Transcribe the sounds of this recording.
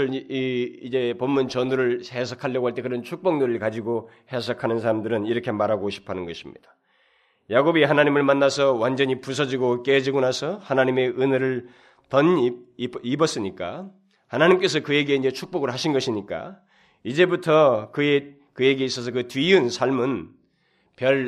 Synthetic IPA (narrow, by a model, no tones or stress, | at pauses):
ɯɭiid͡ʑe̞pomːunt͡ɕʌnuɾɯɭhe̞s̬ʰakʰaʎːʌɡoɦaɭt͈e̞kɯɾʌnt͡ɕʰuk̚p͈ʌŋnuɾɯɭkad͡ʑiɡo | he̞sʰakʰanɯns̬ʰaɾamdɯɾɯniɾʌkʰe̞maɾɦaɡoɕʰi̥pʰanɯnɡʌɕʰimɲḭd̥ḁ | jaɡobiɦanaɲimɯɭmanːasʰʌwand͡ʑʌɲipusʰʌd͡ʑiɡok͈ed͡ʑiɡonasʰʌhanaɲime̞ʔɯneɾɯɭ | tʌn | ibʌs͈ɯɲik͈a̰ | hanaɲimk͈e̞s̬ʰʌkɯje̞ɡe̞ind͡ʑe̞t͡ɕʰuk̚p͈ʌɡɯɭɦaɕʰinɡʌɕʰiɲik͈a̰ | id͡ʑe̞butʰʌkɯe | kɯje̞ɡe̞is͈ʌs̬ʰʌkɯtɥiɯnsʰaɭmɯn | pjʌɭ